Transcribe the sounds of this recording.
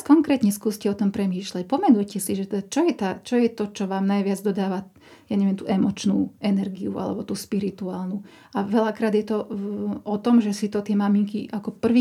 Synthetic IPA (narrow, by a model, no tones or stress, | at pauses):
kɔŋkɾɛːt̪ɲɛskuːscɛɔt̪ɔmpɾɛmiːʃlacpɔmɛnujcɛsiʒɛt̪ɛd̪at͡ʃɔjɛt̪at͡ʃɔjɛt̪ɔt͡ʃɔʋaːmnajʋɪad͡zd̪ɔd̪aːʋa | jaːɲɛʋɛmt̪uːʔɛmɔt͡ʃnṵːɛnɛɾɡiua̰lɛ̰bɔt̪uːspiɾit̪uaːlnu | aʋɛlakɾaːd̪jɛt̪ɔɔt̪ɔmʒɛsit̪ɔt̪ɪɛmamiŋkiʔakɔpr̩ʋi